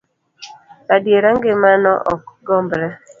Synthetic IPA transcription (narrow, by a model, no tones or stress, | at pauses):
adjeɾaŋɡɪmanɔ̰ʔɔkɡɔmbɾɛ